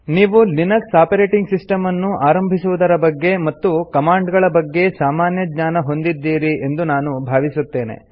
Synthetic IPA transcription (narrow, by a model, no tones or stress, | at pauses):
niːʋulinɐksaːpɐɾeːʈiŋɡsisʈɐmɐnːuaːɾɐmbʱisuʋud̪ɐɾɐbɐɡːe̞mɐt̪ːukɐmaːɳɖɡɐɭɐbɐɡːe̞saːmaːnjɐɡɲaːnɐɦo̞nd̪id̪ːiːɾie̞nd̪unaːnubʱaːʋisut̪ːe̞ːne̞̰